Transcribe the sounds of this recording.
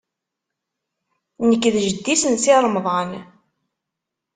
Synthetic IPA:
nəkːðʒəd̪ːisənsɪɾˤmðˤɑn

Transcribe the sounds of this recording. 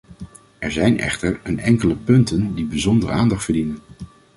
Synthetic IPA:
ɛɹzɛjnɛ̰χtəɹənɛŋkələpɵntəndibizɔndərə̰aːndɑχtfəɹdinən

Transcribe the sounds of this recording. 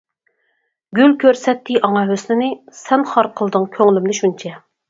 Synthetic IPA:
ɡʲylkʲʰøɾsɛt̪ːɪʔɑŋɑɦøsnɪnɪsɛnχɑɾqʰəlˠd̪ɨŋkʲʰøŋlymnɪʃunt͡ʃʰɛ

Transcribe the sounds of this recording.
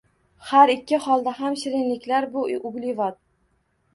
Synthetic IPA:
haɾɪkʲʰːɪhɒlˠd̪aɦamʃɪɾɪnlɪkʲlaɾbʊʔʊblɪvat̪̚

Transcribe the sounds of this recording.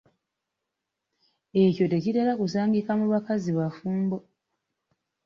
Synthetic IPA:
e̞co̞te̞citelakusaːŋɡikamuβakaziβafuːmbo̞

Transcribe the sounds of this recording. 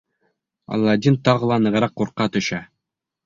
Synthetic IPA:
ɒ̰lˠːɑd̪ʲint̪ɑʁɤ̆lˠɑnɤ̆ʁɤ̆ɾɑqːuɾqːɑt̪ɵ̆ɕɑ

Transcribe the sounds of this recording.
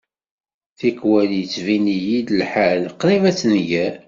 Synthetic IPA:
θikwæljət͡sːvinijid̪əlħalqɾivæt͡sːnjæ

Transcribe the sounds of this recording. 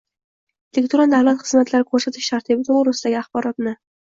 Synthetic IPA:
elekt̪ʰuɾalˠd̪avlat̪χɨz̥mat̪laɾɪkʰɵɾsat̪ʰɪʃt̪ʰaɾt̪ʰibɪt̪ʰoʊɾasɪd̪aɡʲɪaχbɒɾɒt̪nɪ

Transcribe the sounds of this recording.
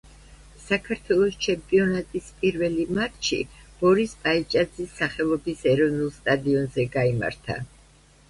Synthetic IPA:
sakʰaɾt̪ʰwɛlˠɔst͡ʃʰɛmpʼiɔnat̪ʼispʼiɾvɛlimat̪ʰʃḭb̥ɔɾispʼait͡ʃʼad̪zisːaχɛlˠɔbisɛɾɔvnulˠst̪ʼad̪iɔnzɛɡaima̰ɾt̪ʰa̰

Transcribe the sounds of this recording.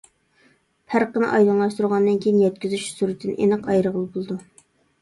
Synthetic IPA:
pʰæɾqənɨ̰ʔɑjlˠɑnlˠɑʃt̪uɾʁɑnːɨnkʲʰejinjɛt̪̚kʲyzyʃsuɾɪt̪ʰːɨnɨ̰ʔḛnɨqɑjɾəʁəlˠɨbolˠɨd̪u

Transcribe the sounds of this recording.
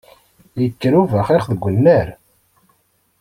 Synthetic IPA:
jəkːɾuvæχɪχðɡʷːənːəɾ

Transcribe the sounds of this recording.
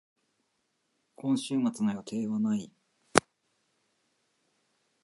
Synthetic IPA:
kʰõ̞ɰ̃ɕɨːmat͡sɨnajot̪ʰe̞ːβanai

